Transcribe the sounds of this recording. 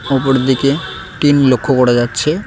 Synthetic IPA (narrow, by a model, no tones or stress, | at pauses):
opoɾd̪ike | ʈinlokʰːokoɾad͡ʑatːɕʰe